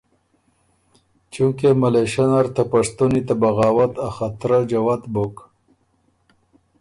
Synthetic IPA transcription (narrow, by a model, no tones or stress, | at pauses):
t͡ʃuŋkemaleʃanaɾt̪apaʂt̪unit̪abaɣaːwat̪axat̪ɾad͡ʒawat̪bok